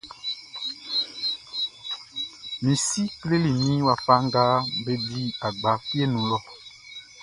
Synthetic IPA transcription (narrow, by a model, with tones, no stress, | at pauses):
mĩ˨si˦kle˦li˨nĩ˦wa˨fa˦ŋɡa˦be˦bi˦a˨ɡ͡ba˨˦fi˦e˦nũ˨lɔ˦